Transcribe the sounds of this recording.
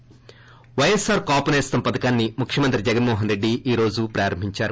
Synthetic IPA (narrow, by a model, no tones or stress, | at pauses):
ʋɐjɐsaːɾkaːpɐneːst̪ɐmpɐd̪ɐkaːnːimukʰjɐmɐnt̪ɾid͡ʒɛɡɐnmɔːɦɐnɾe̞ɖːiʔiːɾo̞ːd͡ʒupɾʔaːɾɐmbʱiɲt͡ʃaːɾu